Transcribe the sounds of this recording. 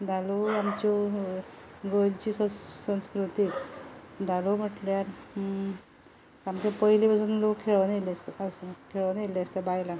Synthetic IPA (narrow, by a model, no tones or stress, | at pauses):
d̪ʱaloamt͡ɕɔ | ɡənt͡ɕiːssə̃wskɾut̪iː | d̪ʱalom̤əʈljaɾ | amkɔpəjlibʱəd͡zuːnlokʰːeɭʋənelesəskʰeɭʋəneleəst̪abajla